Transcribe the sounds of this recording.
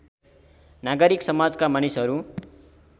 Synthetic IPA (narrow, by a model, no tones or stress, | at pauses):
naɡʌɾiksʌmad͡zkamanisʌɾu